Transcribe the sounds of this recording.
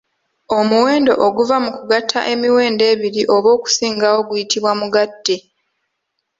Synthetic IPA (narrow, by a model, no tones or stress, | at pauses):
o̞muwe̞ːndo̞ʔoɡuvamukuɡatʰːa̰ʔe̞miwe̞ːnde̞ːβiɾiʔo̞βo̞ːku̥siːŋɡawo̞ɡujitiβwamuɡadːe